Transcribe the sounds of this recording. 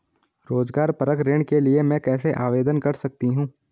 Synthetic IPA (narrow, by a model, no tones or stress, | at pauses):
ɾoːzɡaːɾpɐɾəkɾẽːɳ̃keliemɛ̃ːkɛːseʔaːʋeːd̪ənkɐɾsɐk̚t̪iɦũː